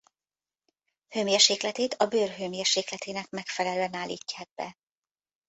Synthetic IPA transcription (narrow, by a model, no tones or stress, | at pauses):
hømjɛrʃeːklɛt̪eːt̪ɒbøːrɦømjerʃeːklɛt̪eːnɛkmɛkfɛlɛløːɛnaːlːḭːcːad̪̚bɛ̰